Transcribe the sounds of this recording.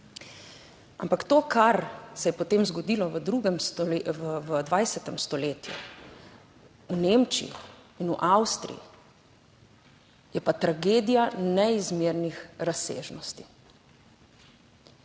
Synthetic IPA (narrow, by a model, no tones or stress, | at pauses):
a̰mpakt̪oːkʰaɾsɛjɛpɔt̪eːmzɡɔd̪iːlɔʋəd̪ɾuɡɛmst̪ɔʋəd̪ʋajsɛt̪ɛmst̪ɔleːt̪jṵ | unemt͡ʃiḭ | inuʔawst̪ɾḭjḭ | jɛpat̪ɾaɡeːd̪ijanɛizmeɾnixɾasḛːʒnɔst̪i̥